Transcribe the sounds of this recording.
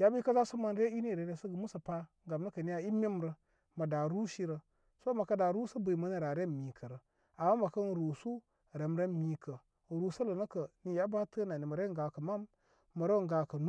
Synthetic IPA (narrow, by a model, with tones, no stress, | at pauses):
ja˦bi˦ka˦za˦su˦ma˦n˦ɾe˦i˦ni˦˨ɾe˨ɾe˦sə˦ɡə˨mu˦sə˨pa˦ŋɡa˨mnə˦kə˨ni˦ja˦i˦me˦mɾə˨ | ma˨da˨ɾu˦ʃi˦ɾə˨ | so˦ma˨ka˦da˨ɾu˦sə˦bə˨i˨ma˦ni˦ɾa˨ɾe˦˨mi˨kʰə˨ɾə˨ | a˨ma˦ma˨kə˦n˨ɾu˨su˦˨ | ɾe˨m˦ɾe˦mi˨kə˨ | ɾu˨sə˦lə˨nə˦kə˨ni˨ja˦ba˦tə˦na˨ni˨ma˨ɾe˦ŋɡa˨kə˨ma˦mː | ə˨ɾe˦˨ŋɡa˨kə˨nu˦